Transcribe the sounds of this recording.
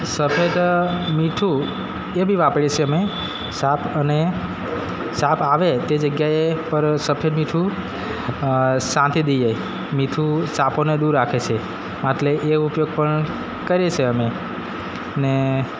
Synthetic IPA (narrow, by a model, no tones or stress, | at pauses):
səpʰed̪miʈʰu | ebʱiʋapəɽet͡ʃʰeəme | sapʰəne | sapʰaʋet̪ed͡ʒəɡjaepəɾsəpʰeɖ̪miʈʰu | sãnt̪id̪ija | miʈʰusaponed̪uɾːakʰet͡ʃʰe | mat̪leʔeupjoɡ̚pəɳ | kəɾet͡ʃʰeəme | ne